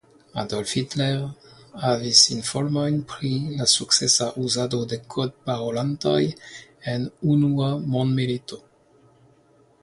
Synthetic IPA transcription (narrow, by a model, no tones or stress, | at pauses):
ad̪ɔlfit̪lɛʁavisinfɔlmajnpχilasuksɛsaʔuzad̪od̪ekʰɔd̪̚paʁolãnt̪a̰jɛnunuamɔ̃nd̪meɾit̪o